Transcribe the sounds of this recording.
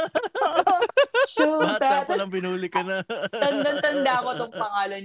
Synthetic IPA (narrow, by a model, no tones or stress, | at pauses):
oːʔ | sut̪at̪ɐsbɪnuːlɪkɐnt̪ɐnd̪ɐnt̪ɐnd̪aɐkot̪oŋpɐŋaːlɐn